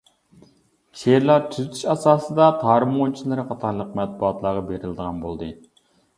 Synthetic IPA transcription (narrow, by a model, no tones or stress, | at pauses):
t͡ʃʰeɾlˠɑɾt̪ʰyzyt̪ʰy̥ʃɑsɑːsɨd̪ɑt̪ʰɑːɾɨmont͡ʃʰilˠɨɾɨχʰɑt̪ʰɑɾlˠəq̚mɛt̪̚buɑt̪lˠɑɾʁɑbeɾɪlɨd̪əʁɑnbolˠd̪ɨ